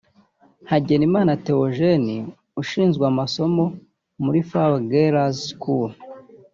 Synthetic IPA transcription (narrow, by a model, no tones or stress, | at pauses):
haɟe̞nimaːnate̞ɾoʒeni | uʃiːnzɡweamaso̞mo̞ | muɾifaweɡeɾazkul